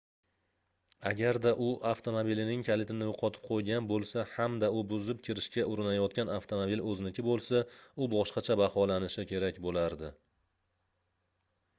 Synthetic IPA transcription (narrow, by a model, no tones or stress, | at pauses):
aɡʲaɾd̪aʔʊʔaft̪ʰo̞mobilɪnɪŋkʲʰalɪt̪ɾɪnɪjoqʰɒt̪ʰɪ̥p̚qʰojɡʲanbolˠsahamd̪aʊbʊzɪp̚kʲʰɪɾɪʃkʲaʔʊɾɪnajɒt̪̚kʲanaft̪ʰomobilɵzɪnɪkʲʰɪbolˠsaʊbɒʃqɑt͡ʃʰabahɒlanɪʃɪkʲʰe̞ɾakʲbolaɾd̪ɪ